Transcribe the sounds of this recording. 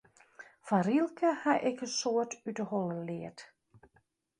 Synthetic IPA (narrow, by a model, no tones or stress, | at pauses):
fanrilˠkʰəhaʔɪkəsoətydəhɔlˠəlɪːət